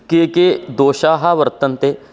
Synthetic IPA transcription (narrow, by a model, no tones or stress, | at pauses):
keked̪oːʃaːɦaʋəɾt̪ənt̪eː